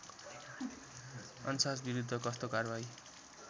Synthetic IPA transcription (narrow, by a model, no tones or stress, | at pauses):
ʌnsasbiɾud̪ʱːʌkʌst̪okarbaj